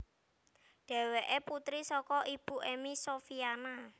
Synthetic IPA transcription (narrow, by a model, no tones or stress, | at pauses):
ɖ̥ɛ̤weʔeput̪ɾisɔkɔʔib̥ṳʔemisofiana